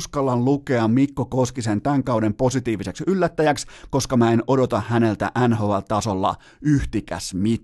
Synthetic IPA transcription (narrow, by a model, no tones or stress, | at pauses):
skɑlːɑnluke̞ɑmmikːokoskisent̪æŋkɑwde̞mpo̞sit̪iːʋiseksylːæt̪ːæjæksko̞skɑmæenodot̪ɑhæne̞lt̪æ̰ʔænɦoʋɑlt̪ɑsolːɑ̰ | yht̪ikæ̰smi